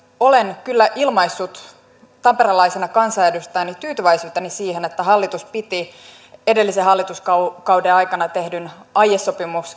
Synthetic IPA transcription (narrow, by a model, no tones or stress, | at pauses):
o̞lenkylːæʔilmɑisːut̪ | t̪ɑmpeɾɑlɑisenɑkɑnsɑːdøst̪ænit̪yːt̪yʋæjsyːt̪ːɑnisiːhenet̪ːæɦɑlːit̪uspit̪i | e̞de̞lːiseɦɑlːit̪uskɑkɑwdeɑjkɑnɑt̪e̞hdynɑjesːopimuks